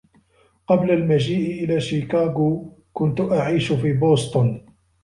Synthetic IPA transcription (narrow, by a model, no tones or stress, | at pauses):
qɑblalmad͡ʒiːʔɪʔɪlaːʃikaːɡuː | kʊnt̪ʊʔaʕiːʃʊfiːboːst̪ˤʊn